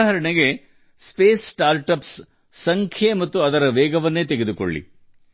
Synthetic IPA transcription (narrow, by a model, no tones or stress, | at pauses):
ɦɐɾɐɳeɡe̞ | speːssʈaːɾʈɐpsː | ɐŋkʰjemɐt̪ːuɐd̪ɐɾɐʋɛːɡɐʋɐnːeːt̪eɡe̞d̪uko̰ɭːḭ